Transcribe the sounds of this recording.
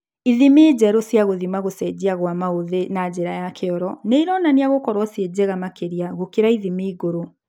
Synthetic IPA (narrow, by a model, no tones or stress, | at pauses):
iðimeːd͡ʑɛɾosjaɣoðimaɣosɛd͡ʑiaɣwamaoðenad͡ʑeɾajakʰeɔɾɔneiɾɔnaniaɣokɔɾwɔsied͡ʑeɣamakeɾiaɣokeɾaiðimiiɣoɾo